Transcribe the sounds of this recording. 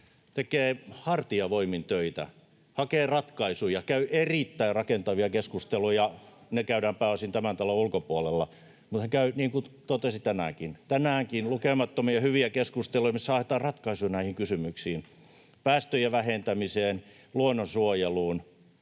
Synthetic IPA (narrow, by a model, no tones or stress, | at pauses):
t̪ekeːhɑrt̪iɑʋoimint̪øit̪æ̰ | hɑkeːrɑt̪kɑisujɑkæyʔerit̪ːæirrɑkent̪ɑʋiɑkeskust̪elujjɑnekæyɾæːmpæːosint̪æmænt̪ɑloulkopuolelːɑ | mut̪hekæyniːŋkut̪ot̪esit̪ænæ̰ˑkint̪ænæːŋkinlukemɑt̪ːomiɑhyʋiækeskust̪elujɑmisːæɑhet̪ɑːrrɑt̪kɑisuinæihiŋkysymyksiːn | pæːst̪øjæʋæhent̪æmiseːn | luonːosuojeluːn